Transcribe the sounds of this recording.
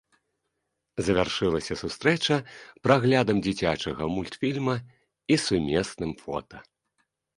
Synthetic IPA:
zɐvʲarʂɨlˠɐsʲɐsust̪ɾɛt͡ʂɐpɾaɣlʲad̪ɐmd͡zʲit͡sʲat͡ʂɐɣɐmulʲt̪fʲilʲmɐ | isumʲɛsnɨmfɔ̰t̪ɐ

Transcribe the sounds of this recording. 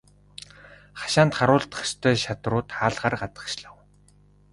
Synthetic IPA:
χḁʃaːnt̪χaɾʊːɮt̪ə̥̆χt͡ɕt̪ʰœːʃat̪rʊːt̪χaːɮʁaːrɢat͡s̪ə̥̆kʃɮăw

